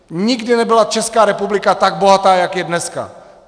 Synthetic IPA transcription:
ɲɪɡdɪnɛbɪlat͡ʃɛskaːɾɛpublɪkat̪aɡ̚bo̞ɦat̪aːjakjɛdnɛska̰

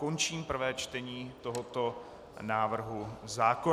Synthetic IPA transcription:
ko̞nt͡ʃiːmpr̩vɛːt͡ʃt̪ɛɲiːt̪oɦot̪o | naːvr̩ɦuzaːko

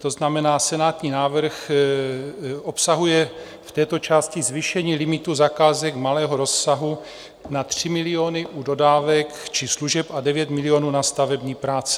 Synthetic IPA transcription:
t̪o̞znamɛnaːsɛnaːt̪ɲiːnaːvr̩x | ʔo̞psaɦujɛ | ft̪ɛːt̪o̞t͡ʃaːscɪzviʃɛɲiːlɪmɪt̪uzakaːzɛkmalɛːɦoɾo̞sːaɦu | nat̪r̝̥ɪmɪlɪoːnɪʔudo̞daːvɛkt͡ʃɪsluʒɛpadɛvjɛt̪mɪlɪoːnuːnast̪avɛbɲiːpɾaːt͡sɛ̥

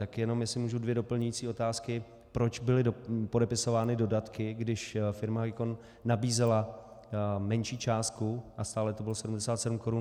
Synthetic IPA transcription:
t̪akjɛno̞mjɛsɪmuːʒudvjɛdo̞pl̩ɲujiːt͡siːʔo̞t̪aːskɪ | pɾo̞t͡ʃbɪlɪdopo̞dɛpɪso̞vaːnɪdo̞dat̪kɪɡdɪʃfɪɾmaɦaɡɪkonː | abiːzɛla | mɛnʃiːt͡ʃaːst̪̚kuʔast̪aːlɛt̪obɪlosɛdumdɛsaːt̪sɛdumko̞ɾun

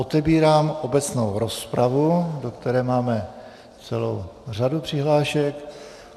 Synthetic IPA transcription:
ot̪ɛbiːɾaːmʔo̞bɛt͡snowɾo̞spɾavudo̞kt̪ɛɾɛːmaːmɛ | t͡sɛlowr̝adupr̝̥ɪɦlaːʃɛk

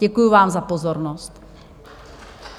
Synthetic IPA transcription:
ɟɛkujuvaːmzapozoɾnost̪

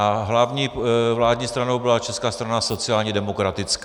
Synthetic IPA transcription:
aɦlavɲiːvlaːdɲiːst̪ɾano̞wbɪlat͡ʃɛskaːst̪ɾanaso̞t͡sɪaːlɲɛdɛmokɾat̪ɪt͡sk

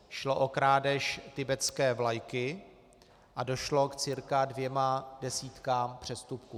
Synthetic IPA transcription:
ʃloʔokɾaːdɛʃt̪ɪbɛt͡skɛːvlajkɪ | ʔado̞ʃlo̞kt͡sɪɾkadvjɛmadɛsiːt̪kaːmpr̝̥ɛst̪upku

